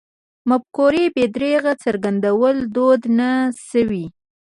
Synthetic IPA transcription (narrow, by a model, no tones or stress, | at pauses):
mab̚koɾebed̪ɾeɣat͡səɾɡand̪awəld̪od̪nasəwi